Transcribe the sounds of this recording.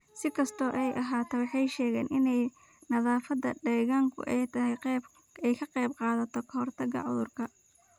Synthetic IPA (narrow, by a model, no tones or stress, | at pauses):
sɪkʰɐst̪ʰɔːʔɛjʔɐɦaːt̪ʰɔwɑħɑjʃɛːɣɛːnɪnɛj | nɐðaːfɐd̪ɐ̰ɖɛːɣaːŋkʰʊ̰ʔɛjt̪ʰɐɦɛ | ɛjkʰɐqɛbqɑːðɐt̪ʰɔkʰɐhɔrt̪ʰɐɣɐ̰ʕʊ̰ðʊrkʰɐ